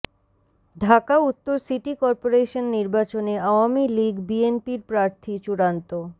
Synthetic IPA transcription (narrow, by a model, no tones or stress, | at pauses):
ɖʱakaut̪ːoɾsiʈikɔɾpoɾeʃonːiɾbat͡ɕoneaoamiliɡbienpiɾpɾaɾt̪ʰit͡ɕuɽant̪o